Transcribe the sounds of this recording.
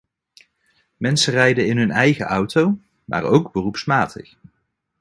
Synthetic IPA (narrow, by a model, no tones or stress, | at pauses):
mɛnsərɛjdəɪnɦɵnɛjχəʔʌwtow | mʔa̰ːrowɡbərupsmaːtʰə̰χ